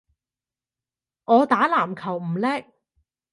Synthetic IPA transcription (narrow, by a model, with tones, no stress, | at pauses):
ŋɔː˨˧t̪aː˨˥laː˨˩mkʰɐ˨˩wm̩˨˩lɛː˥k̚